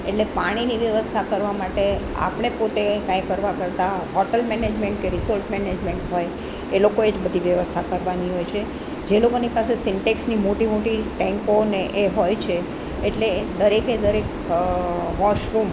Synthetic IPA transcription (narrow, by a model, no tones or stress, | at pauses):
eʈlepaɽ̃iniʋjəʋəst̪ʰakəɾʋamaʈe | a̰pɽ̃epot̪ekãjkəɾʋakəɾt̪aɦɔʈəlmɛned͡ʒmeɳʈ̚keɾisɔlʈmɛned͡ʒmeɳʈɦoj | elokoed͡ʒbəd̪ʱiʋjəʋəst̪ʰakəɾʋaniɦojt͡ʃʰe | d͡ʒelokonipasesɪɳʈeksnimoʈimoʈiʈɛ̃ŋkoneʔeɦojt͡ʃʰeː | ʈled̪əɾeked̪əɾek | ʋɔʃɾum